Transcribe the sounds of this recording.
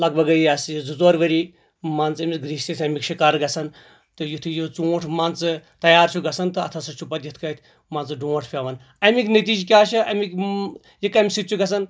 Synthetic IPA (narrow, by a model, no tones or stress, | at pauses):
lɐɡ̚bɐɡɐjiɐsjizuzoːɾʋɐɾi | mɐnt͡sɐmʲiɡɾiʃsisʰʲɐmikʃikaːɾɡɐsɐn | t̪ɨjut̪ʰɨjit͡soːʈʰmɐnt͡sɨt̪ɐjaːɾt͡ʃʰuɡɐsɐnt̪ɨɐ̰t̪ʰɐsɐt͡ʃʰupɐt̪jit̪ʰkɐt̪ʰ | maːnt͡sɨɖõːʈʰpʲaːʋɐn | ɐmiknɐt̪̬iːd͡ʒk̬ʲaːt͡ʃʰɐɐmik | jikɐmʲsit̪t͡ʃʰuɡɐs̬ɐn